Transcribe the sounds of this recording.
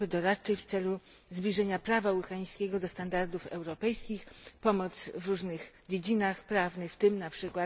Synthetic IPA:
bɘd̪ɔɾatt͡ʂɛjft̪sɛlu | zbʲlʲiʐɛɲapɾavawuxaj̃skʲeɡɔd̪ɔst̪and̪aɾd̪ufɛ̰wɾɔpɛjskʲixpɔmɔt̪svɾuʐnɘx | d͡ʑed͡ʑinaxpɾavnɘft̪ɘmnapʂɘkwat̪

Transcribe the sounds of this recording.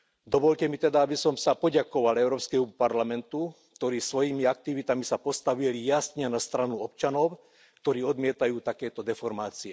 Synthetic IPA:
d̪ɔʋɔʎcɛmit̪ɛd̪aabisɔmsapɔɟakɔʋalɛʊɾɔːpskɛɦupaɾlamɛnt̪uk̚t̪ɔɾiːsʋɔjimiak̚t̪iʋit̪amisapɔst̪aʋilijasɲɛnast̪ɾanuɔp̚t͡ʃanɔʊ | k̚t̪ɔɾiːɔd̪mɪɛt̪ajuːt̪akɛːt̪ɔd̪ɛfɔɾmaːt͡siɛ

